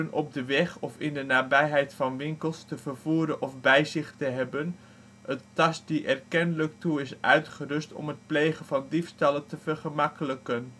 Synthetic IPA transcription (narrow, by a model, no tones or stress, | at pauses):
ənɔb̚dəʋɛχɔfɪndənaːbɛjɦɛjtfɑnʋɪŋkəlˠstəvərvuːɾənʔɔfbɛjzɪχtəɦɛbən | əttɑs̚diʔɛrkɛnələk̚tuɪsʔœ̰ɥtχərʏstɔ̰mɦət̚plejχənvɑndifstɑlətəvəɹχəmɑkələkən